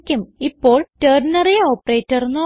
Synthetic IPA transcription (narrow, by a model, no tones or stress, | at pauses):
kʲːumipːo̞ːɭteːrnɐrijɐoːpːɐreːtːɐrnːo